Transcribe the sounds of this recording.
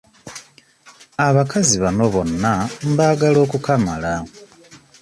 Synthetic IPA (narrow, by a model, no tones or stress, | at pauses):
aβakaziβano̞βo̞nːam̩baːɡalo̞ːkukamala